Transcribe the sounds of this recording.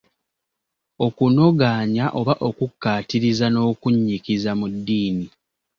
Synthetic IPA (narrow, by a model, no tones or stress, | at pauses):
o̞kuno̞ɡaːɲaʔo̞βaʔo̞kukːaːtiɾizano̞ːkuɲːikizamudːiːni